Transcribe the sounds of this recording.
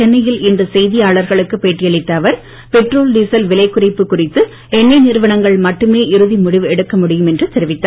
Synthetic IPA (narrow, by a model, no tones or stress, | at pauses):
t͡ʃɛnːɐjɪlɪndrɯsɛjðɪjaːɭɐɾɣɐɭɯkːɯpeːʈːɪjɐɭɪt̪ːɐːʋɐɾ | pɛʈroːlɖiːsɐlʋɪlɐɪkːʊrɐɪpːɯkːʊrɪt̪ːɯ | ɛnːɐɪnɪɾɯʋɐnɐŋɡɐɭmɐʈːɯmeːʔɪɾɯðimʊɽɪʋɛɽɯkːɐmʊɽɪjɯmɛndrɯt̪ɛɾɪʋɪt̪ːa